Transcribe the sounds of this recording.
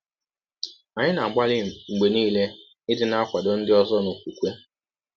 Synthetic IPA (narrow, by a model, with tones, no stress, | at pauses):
a˨ɲɪ˦na˨ɡ͡ba˦lɪ˦˨ŋ͡m̩˨ɡ͡be˨niː˦le˦ | ɪ˦dɪ˦na˦a˦kʷa˨do˨n̩˦dɪ˦ɔ˦zɔ˦nʊ˨kʷu˨kʷe˦